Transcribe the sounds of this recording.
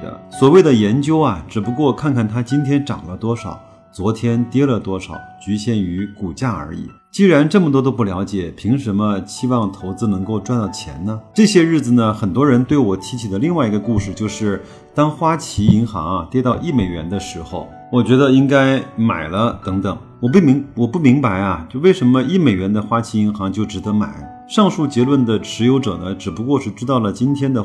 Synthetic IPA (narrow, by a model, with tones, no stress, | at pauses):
ə̰˧˩swɔ˨˩we˥˩ɪd̪ə˩jɛ˧˥nt͡ɕjo˥ʊɐ˨ʈ͡ʂɻ̩˨˩pu˧˥kwɔ˥˧kʰa˥˧nkʰa˥˩nt̪ʰa˥t͡ɕi˥nt̪ʰjɛ˥nʈ͡ʂɑ̰˨˩ŋlə˦t̪wɔ˥ʂɑ̰˨˩ʊ | t͡swɔ˧˥t̪ʰjɛ˥nt̪jɛ˥lə˨t̪wɔ˥ʂɑ˨˩˦ʊt͡ɕy˧˥ɕjɛ˥˩ny˧˥ku˨˩t͡ɕja˥˩ə̰˞˧˥ḭ˨˩˦t͡ɕi˥ɻa˧˥nʈ͡ʂɤ˥˩mə˩t̪wɔ˥t̪̬o˥p̬u˥˩ljɑ˧˥ʊt͡ɕjɛ˨˩˦pʰi˧˥ŋʂə˧˥mə˧ɕi˥wɑ˥˩ŋt̪ʰo˧˥ʊt͡sɹ̩˥nɤ˧˥ŋko˥˧ʊʈ͡ʂwa˥˧nt̪ɑ˥˩ʊt͡ɕʰjɛ̰˧˥nnə˧ʈ͡ʂɤ˥˩ɕjɛ˥ɻɻ̩˥˩d͡zɹ̩˩nə˩xə˨˩nt̪wɔ˥ɻə˧˥nt̪we˥˩ɪwɔ˨˩t̪ʰi˧˥t͡ɕʰi˨˩d̪ə˦li˥˧ŋwa˥˩ɪi˧˥ɡə˧ku˥˧ʂɻ̩˥˧t͡ɕjo˥˧ʊʂɻ̩˥˩ | t̪ɑ˥ŋxwa˥t͡ɕʰi˧˥i˧˥ŋxɑ̰˧˥ŋa˧t̪jɛ˥t̪ɑ˥˧ʊʔi˥˩me˨˩ɪɥɛ̰˧˥nd̪ə˧ʂɻ̩˧˥xo˧ʊ | wɔ˨˩t͡ɕɥɛ˧˥d̪ə˧i˥ŋka˥ɪma̰˨˩ɪlə˦t̪ɤ˧˥ŋt̪ɤ˨˩˦ŋ | wɔ˨˩p̬u˥˩mi˧˥ŋwɔ˨˩pu˥˩mi˧˥ŋpa˧˥ɪɐ˧t͡ɕjo˥˧we˥˩ɪʂə˧˥nmə˧i˥˩me˨˩ɪɥɛ˧˥nd̪ə˧xwa˥t͡ɕʰi˧˥i˧˥ŋxɑ˧˥ŋt͡ɕjo˥˩ʊʈ͡ʂɻ̩˨˩d̪ɤ˧˥ma̰˨˩ɪ | ʂɑ˥˧ŋʂu˥˩t͡ɕjɛ˧˥lwə˥˩nd̪ə˩ʈ͡ʂʰɻ̩˧˥jo˧˥ʊʈ͡ʂɤ̰˨˩nə˦ʈ͡ʂɻ̩˨˩pu˧˥kwɔ˥˧ʂɻ̩˥˩ʈ͡ʂɻ̩˥t̪ɑ˥˩ʊlə˩t͡ɕi˥nt̪ʰjɛ˥nd̪ə˨